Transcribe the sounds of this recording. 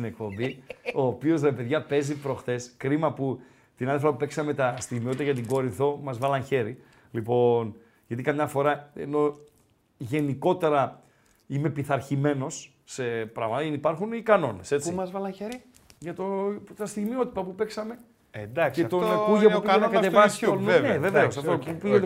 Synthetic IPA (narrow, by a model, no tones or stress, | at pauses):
inek̚po̞mbio̞ːpio̞zɾepe̞ðʝɐpe̞zipɾo̞xθe̞skɾimɐpu | t̪inɐðefɾɐpupeksɐme̞t̪ɐst̪iɣmio̞t̪it̪ɐʝɐt̪̬iɡo̞ɾiθo̞mɐzvɐlɐnçe̞ɾi | lipo̞n | ʝɐt̪ikɐmɲɐfo̞ɾɐḛno̞ | ʝe̞niko̞t̪e̞ɾɐ | ime̞piθɐɾçime̞no̞sː | e̞pɾɐ̰ɣmɐt̪ɐinipɐɾxunikɐno̞ne̞se̞t͡st͡simɐzvɐlɐnçeɾi | ʝɐt̪ot̪ɐst̪iɣmio̞t̪i̥t̪ɐpupe̞ksɐme̞ | end̪ɐkkseɐt̪onɐkuʝɐupienɐkɐt̪evɐssuneveveosɐft̪opupiʝet̪